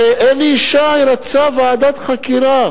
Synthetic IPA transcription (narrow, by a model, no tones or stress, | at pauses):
eʔeliːʃaiɾat͡savaːd̪at̪χakiɾa